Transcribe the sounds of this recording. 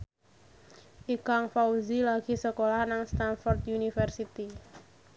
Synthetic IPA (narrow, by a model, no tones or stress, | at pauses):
ʔikaŋfauzilaɡ̥i̤səkolahnaŋst̪anfɔrt̪unifərsit̪i